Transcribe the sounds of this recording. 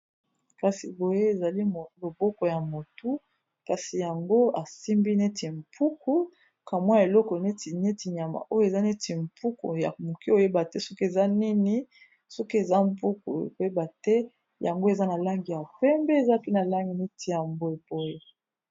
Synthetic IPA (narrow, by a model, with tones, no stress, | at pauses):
ka˨si˨bo˨je˦e˨za˨li˦˨lo˨bɔ˦kɔ˨ja˨mo˨tu˦ | ka˨si˨ja˨ŋɡo˦a˨si˦mbi˦ne˦tʰi˨m˨pʰu˦kʰu˦ | ka˨mwa˦ja˨e˨lɔ˦kɔ˨ne˦ti˨ne˦ti˨ɲ˨a˨ma̰˨ʔo˦jo˨e˨za˦ne˦ti˨mpu˦kṵ˨ja˨mo˨ki˦o˦˨je˦ba˨tɛ˦so˦ki˦e˨za˦ni˦ni˦ | sɔ˦ki˦e˨za˦mpu˦ku˨o˨je˦ba˨tɛ˦ | ja˨ŋɡo˦e˨za˦na˨la˦ŋɡi˨ja˨pɛ˦mbɛ˦e˨za˦pi˦na˨la˦ŋɡi˨ne˦tʰi˨ja˨mbo˨e˨bo˨je˦